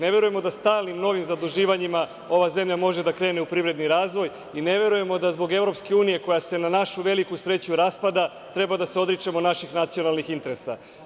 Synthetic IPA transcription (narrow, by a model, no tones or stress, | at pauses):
ne̞ʋe̞ɾuje̞mo̞d̪ast̪aːlˠnimno̞ʋimzad̪uʒiːʋaɲima | o̞ʋaze̞mʎamo̞ʒe̞d̪akɾe̞ːneupɾiʋɾe̞d̪niɾaːzʋo̞j | ine̞ʋe̞ɾuje̞mo̞d̪azbo̞ɡe̞vɾo̞pske̞uːnije̞ko̞jase̞nanaʃuʋe̞likusɾe̞t͡ɕuɾaspad̪a | t̪ɾe̞bad̪aseo̞d̪ɾit͡ʃemonaʃixnat̪sijo̞nalˠnixint̪e̞ɾesa̰